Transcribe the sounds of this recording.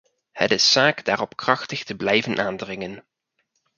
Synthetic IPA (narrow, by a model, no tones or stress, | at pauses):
hə̰tɪsːaːkdaːrɔpkrɑχtəχtəblɛjvənʔaːndrɪŋən